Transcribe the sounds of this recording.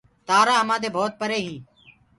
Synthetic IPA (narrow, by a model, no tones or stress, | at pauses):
t̪aːɾaːɦəmãːd̪eːbʱoːt̪̚pəɾeːɦĩː